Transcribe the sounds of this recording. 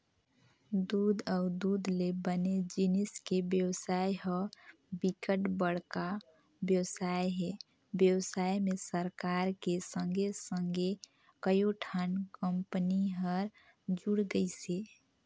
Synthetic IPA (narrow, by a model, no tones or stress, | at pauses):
d̪ud̪aʊd̪ud̪lebəned͡ʒiniskebjəwsajɦɔ | bikəʈbəɽ̤ka | bjəwsajɦe | bjəwsaimesəɾkaɾkesə̃ŋɡʱesəŋɡe | kəjoʈʰənkəmpəniɦəɾ | d͡ʒuɽɡəjse